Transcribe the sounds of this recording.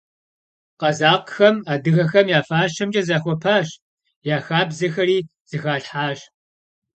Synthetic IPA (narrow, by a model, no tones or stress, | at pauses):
qɐzaːqxɐmaːdɨɣɐxɐmjaːfaːʃɐmd͡ʒʼɐzaːxʷɔpʰaːɕ | jaːxaːbzɐxɐɾiː | z̥ɨxaːɬħaːɕ